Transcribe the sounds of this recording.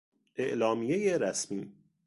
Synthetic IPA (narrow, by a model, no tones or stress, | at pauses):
ʔe̞ʔlɒːmijejeɾæsmiː